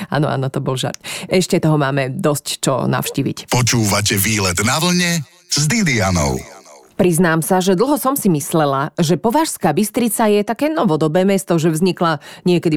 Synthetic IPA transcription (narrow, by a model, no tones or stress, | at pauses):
a̰ːnɔʔa̰ːnɔt̪ɔbɔlʒa̰ɾt̪ʔɛʃcɛt̪ɔɦɔmaːmɛd̪ɔsct͡ʃɔ̰na̰ʊʃciːʋḭcpɔt͡ʃuːʋacɛʋiːlɛd̪naʋl̩ɲɛ | zd̪id̪ianɔ̰ʊpɾiznaːmsaʒɛd̪l̩ˠɦɔsɔmsimislɛlaʒɛpɔʋaʃskaːbist̪ɾit͡sajɛt̪akɛːnɔʋɔd̪ɔbɛːmɛst̪ɔʒɛvzɲiklaɲɪɛkɛd̪i